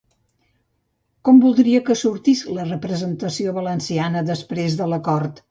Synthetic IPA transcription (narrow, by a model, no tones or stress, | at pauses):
kɔmbulˠd̪ɾiəkəsuɾt̪islərəpɾəzənt̪əsioβələnsianəðəspɾezðələkɔɾt̪